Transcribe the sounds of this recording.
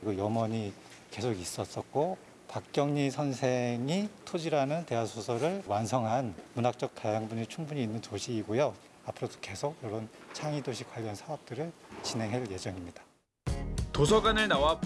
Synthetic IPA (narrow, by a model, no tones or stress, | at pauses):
ɡʌjʌmʌɲi | ke̞sʰoɡis͈ʌs͈ʌt̚k͈o | pak̚k͈jʌŋɲisʰʌnsʰeŋitʰod͡ʑiɾanɯnte̞ɦasʰosʰʌɾɯɭwansʰʌŋɦanmunɦak̚t͡ɕ͈ʌk̚tajaŋbuɲit͡ɕʰuŋbuɲiːnːɯntoɕʰiːɡojo | apʰɯɾod̥o̥ke̞sʰoɡjʌɾont͡ɕʰaŋidoɕʰikwaʎːʌnsʰaʌp̚t͈ɯɾɯɭt͡ɕine̞ŋɦe̞ɭje̞d͡ʑʌŋimɲid̥ḁ | tosʰʌɡanɯɭnawa